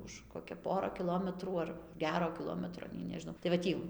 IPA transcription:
ʊʃ koːkʲɛ ˈpoːrɐ kʲɪˈlˠoːmʲɛtruː ˈɐr ˈɡʲæːroː kʲɪˈlˠoːmʲɛtroː nʲɛɪ nʲɛʒʲɪˈnɐʊ tɐɪ ʋɐ ˈtʲiː

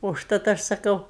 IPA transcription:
ʊʃˈtɐt ˈɐʃ sɐˈkɐʊ

